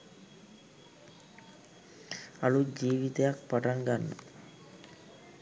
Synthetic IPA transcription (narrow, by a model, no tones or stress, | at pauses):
alud͡ʒiːʋit̪ejak̚paʈaŋɡanːə̰